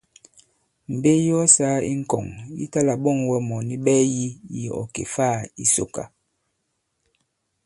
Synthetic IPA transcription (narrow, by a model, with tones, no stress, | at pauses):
m̩˨be˦jɔ˦saː˦ḭ˦ŋ̩˦˨kɔ̰˨ŋjḭ˦ta˦la˨ɓɔ˦˨ŋwɛ˦mɔ˨ni˦ɓɛː˦ji˦ji˨ɔ̰˨kḛ˨fa˦˨i˦so̰˦˨ka̰˦